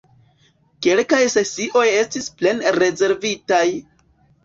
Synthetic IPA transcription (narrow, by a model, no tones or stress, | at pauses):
ke̞lkajse̞siʔo̞je̞stisple̞nɾe̞ze̞ɾvitaj